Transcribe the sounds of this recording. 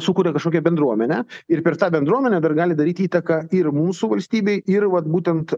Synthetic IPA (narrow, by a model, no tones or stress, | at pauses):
sukuːɾʲɛkɐʃkoːkʲɛbʲɛnd̪ɾuɔmʲɛnʲɛɪɾpʲɛɾt̪ɑːbʲɛnd̪ɾuɔmʲɛnʲɛd̪ɐrɡɑːlʲɪd̪ɐɾʲiːt̪iːt̪ɐkɑɪrmuːmsʊʋɐlʲsʲt̪ʲiːbʲɛɪɪrʋɐt̪buːt̪ʲɛnt̪